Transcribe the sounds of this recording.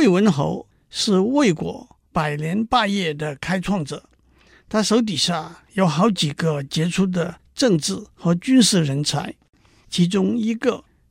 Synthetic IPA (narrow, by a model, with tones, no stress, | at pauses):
e˥˩ɪwə˧˥nxo̰˧˥ʊ | ʂɻ̩˥˧we˥˩ɪkwɔ̰˧˥ | pa˨˩ɪljɛ˧˥npa˥˧jɛ˥˩d̪ə˩kʰa˥ɪt͡sʰwɑ˥˩ŋʈ͡ʂɤ̰˨˩˦ | t̪ʰa˥ʂo˧˥ʊt̪̬i˨˩ɕja˥˩jo˧˥ʊxɑ˧˥ʊt͡ɕi˨˩ɡə˦t͡ɕjɛ˧˥ʈ͡ʂʰu˥d̪ə˨ | ʈ͡ʂɤ˥˧ŋʈ͡ʂɻ̩˥˩xɤ˧˥t͡ɕy˥nʂɻ̩˥˩ɻə˧˥nt͡sʰa̰˧˥ɪ | t͡ɕʰi˧˥ʈ͡ʂʊ˥ŋi˧˥ɡə˥˧